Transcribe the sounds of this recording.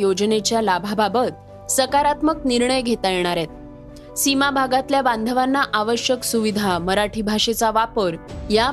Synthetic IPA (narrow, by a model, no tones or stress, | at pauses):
jod͡ʑnet͡ɕjalabʱababət̪̚ | səkaɾat̪məkniɾɳəjɡʱet̪ajeɽ̃aɾet̪̚ | simabʱaɡat̪ljabãnd̪ʱəʋanːaʔaʋəɕjəksuʋid̪ʱaməɾaʈʰibʱaʂet͡saʋapəɾja